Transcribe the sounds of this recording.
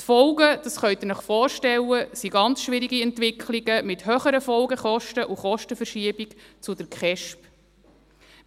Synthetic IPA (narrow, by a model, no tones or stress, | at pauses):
t̪fɔʊɡəd̥̪ɑsχœʏt̪ɪnəχfɔːɾʃtɛlːəsiɡɑnt͡sʃʋɪɾiɡiɛnt̪vɪkχliɡəmɪt̪høːχəɾəfɔlɡəχɔʃtəʔuχɔʃtəfəɾʃiəbikt͡sud̪əɾkχɛʃp